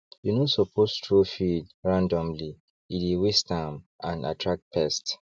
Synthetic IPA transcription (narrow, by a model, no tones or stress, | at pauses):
junosɔpʰostʰɹofidɹãndɔ̃mli | idiwistãmʔãna̰tʰɹak̚t̚pʰɛst